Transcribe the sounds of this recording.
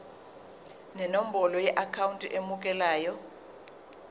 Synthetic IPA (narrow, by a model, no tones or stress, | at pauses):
nɛnom̩bɔlɔjɛʔakʰawuntʼiʔemukʼɛlaːjɔ